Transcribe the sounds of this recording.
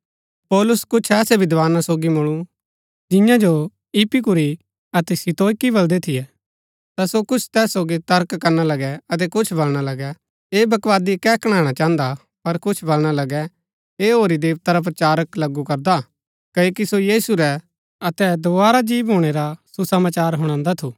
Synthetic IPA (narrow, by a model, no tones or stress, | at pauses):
pɔːlʊskʊt͡ʃʰɛːsɛbɪd̪ʋaːnasoːɡimʊɭ̃u | d͡ʒɪ̃jãd͡ʒo | ɪpik̬ʊɾi | ɐt̪ɛsɪt̪oːkibɐld̪ɛt̪ʰɪjɛ | t̪asokʊt͡ʃʰt̪ɛːsːoːɡit̪ɐɾkkːɐɾnalɐɡɛɐt̪̬ɛkʊt͡ʃʰbɐlɽ̃alɐɡɛ | eːbɐkʋaːd̪ikɛkɐɽ̃ãːɽ̃at͡ʃãːə̃nd̪a | pɐɾkʊt͡ʃʰbɐlɽ̃alɐɡɛ | eːɦoːɾid̪eːʋt̪aɾap̬ɾɐt͡ʃaːɾəklɐɡukɐɾd̪a | kɐoːkisojiːsuɾɛ | ɐt̪ɛd̪oʋaːɾad͡ʒiːʋɦoːɽ̃eɾasusɐmaːt͡ʃaːɾɦʊɽ̃ãːnd̪at̪ʰuː